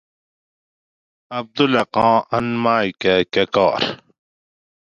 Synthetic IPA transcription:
ɐb̚d̪ulɐqɑ̃ːɐnmaːikakɐkɑːɾ

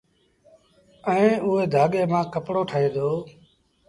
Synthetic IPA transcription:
əẽːʊɦeːd̪ʱaːɠeːmãːkəpɽoːʈʰəɦeːd̪oː

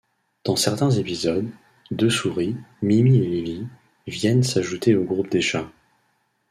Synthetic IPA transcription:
d̪̥ɑ̃sɛʁt̪ɛ̃zepizɔd̪ː | øsuʁimimielivi | vjɛnsaʒut̪eoɡʁup̚d̪eʃã

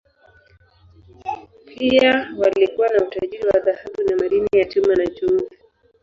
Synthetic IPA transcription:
pʰiawalikuwanautaʄiɾiwaðahaɓunamaɾinijat͡ʃumanat͡ʃui

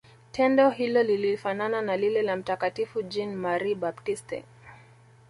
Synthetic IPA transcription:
tʰɛndɔɦilɔlilifanananalilɛlam̩takatifud͡ʒinmaɾibaptistɛ̰

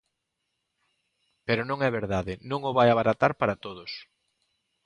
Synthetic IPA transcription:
peɾʊnõŋɛβeɾðaðɪnõŋʊβajaβaɾat̪aɾpaɾat̪oðʊs

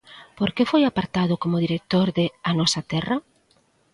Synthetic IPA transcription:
poɾkefojapaɾt̪aðʊkomʊðiɾek̚t̪oɾðɪanɔsɐt̪ɛrɐ

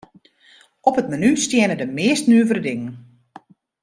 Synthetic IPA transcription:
ɔpətmanystjɛənədəmɪːstnyəvəɾədɪŋən

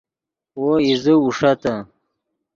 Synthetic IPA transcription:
woizəuʂat̪a

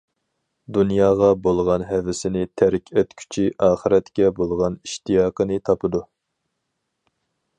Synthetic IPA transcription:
d̪unjɑːʁɑbolˠʁɑnɦɛvɪsɪnɪt̪ʰæɾkʲʰøt̪kʲʰy̥t͡ʃʰiʔɑːχəɾɛt̪kʲɛbolˠʁɑniʃt̪ijɑːqənɨt̪ʰɑpʰɨd̪u

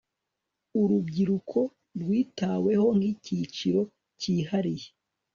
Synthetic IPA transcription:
uɾubɟiɾukʰo̞ | ɾɡwiːtaːwe̞ho̞ŋ̥icit͡ʃiɾo̞ | ciːhaɾije

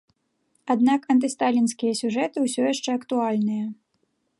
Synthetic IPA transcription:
ad̪nakɐnt̪̬ɨst̪alʲinsʲkʲijɐsʲuʐɛt̪ɨwsʲɔjaʂt͡ʂɛɐkt̪ualʲnɨjɐ

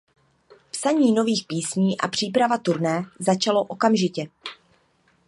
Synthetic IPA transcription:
psaɲiːno̞viːxpiːsɲiːʔa̰pr̝̥iːpɾavat̪uɾnɛːzat͡ʃalo̞ʔo̞kamʒɪcɛ

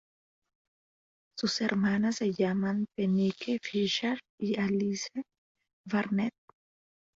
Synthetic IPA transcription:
sʊsɛɾmaːnɐsɛjamɐnpɛniːkʰɛfiʃɐɾ | iɐliːsɛ | vɐɾnɛt̪̚

